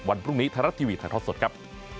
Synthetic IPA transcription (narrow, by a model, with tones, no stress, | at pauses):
wa˧npʰɾu˥˩ŋniː˦˥t̪ʰaː˧ɾa˦˥t̪ʰiː˧wiː˧t̪ʰa˨˩ŋt̪ʰːt̪̚so˨˩t̪̚kʰa˦˥p̚